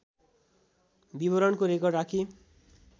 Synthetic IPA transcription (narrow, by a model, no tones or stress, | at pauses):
bibʌɾʌnkoɾekʌrɖakʰi